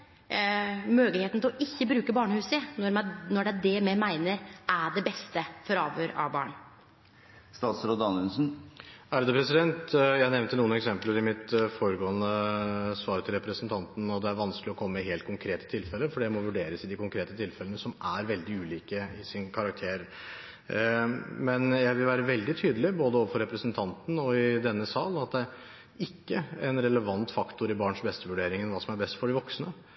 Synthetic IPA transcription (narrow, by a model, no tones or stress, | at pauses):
møːɡəlheːt̪n̩t̪ʰɪlɔʔɪçːəbɾʉːkəbɑːɳəhʉːsənɔnɔɖɛæɖɛmɛmæɪnəɾæɖɛbɛst̪əfɔɾɑːʋøːɾɑ̰ʋbɑ̰ːɳ | st̪ɑːt̪sɾɔd̪ɑnʉnsn̩æɾd̪ɛpʰɾɛsɪd̪ɛnt̪jæɪnɛʋnt̪ənuːənɛksɛmpləɾɪmɪt̪fɔɾəɡoːənəsʋɑːɾət̪ʰɪlɾɛpɾəsənt̪ʰɑnt̪n̩ɔd̪ɛæɾʋɑnsklɪɔkʰɔmːəɪɦeːlt̪̚kʰʊŋkʰɾeːt̪ət̪ʰɪlfɛlːəfɔɖiæɪmɔʋʉɖeːɾəsɪd̪ɪkʰʊŋkʰɾeːt̪ət̪ʰɪlfɛlənəsɔmʔæɾʋɛld̪ɪʉːliːkəɪsɪnkʰɑɾɑk̚t̪ʰeːɾ | mɛnjæɪʋɪlʋæːɾəʋɛld̪ɪt̪ʰyːd̪əlɪboːd̪əoːʋəfɔɾɛpɾəsnt̪ʰɑnt̪n̩ɔɪd̪ɛnːəsɑːlnɑt̪̚d̪ɛæɾ | ɪkːəɛnɾɛləʋɑnt̪fɑkt̪ʊɾɪbɑːɳʂbɛst̪əʋʉɖeːɾɪŋənʋɑːsɔmæɾbɛst̪fɔɖɪʋɔksnə